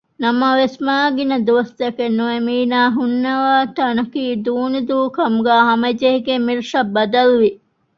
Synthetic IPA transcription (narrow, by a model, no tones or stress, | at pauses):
nɐmɐʋesmaːɡinɐd̪uʋɐst̪ɐkenːuemiːnaːɦunːɐʋaːt̪ɐnɐkiːd̪uːnud̪uːkɐmuɡæːɦɐmɐd͡ʒeɦiɡemːiɾiʂɐbːɐd̪ɐluʋi